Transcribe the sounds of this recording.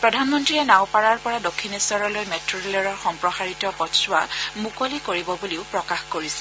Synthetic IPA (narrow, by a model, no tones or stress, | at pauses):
pɹɔdʱanmɔntɹiɛnawpaɹaɹpɔɹadokʰːiniswɔɹɔlojmetɹoɹlɔɹɔɹxɔmpɹɔxaɹitɔpɔtsʊwamukolikoɹibɔbuliʊpɹɔkaxkoɹisɛ̥